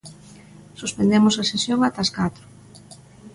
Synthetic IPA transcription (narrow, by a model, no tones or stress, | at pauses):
suspend̪emʊsesesjoŋat̪askat̪ɾʊ̥